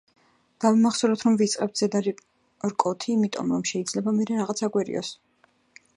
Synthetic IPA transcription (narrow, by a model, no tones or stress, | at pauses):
d̪̥avimaχsɔɾɔt̪ʰɾɔmvit̪sʼqʼɛp̚t̪ʰz̥ɛd̪aɾi | ɾkʼɔt̪ʰiːmit̪ʼɔ̰mɾɔmʃɛid̪zlɛbamɛɾɛɾaʁat̪sʰaɡwɛɾḭɔ̰s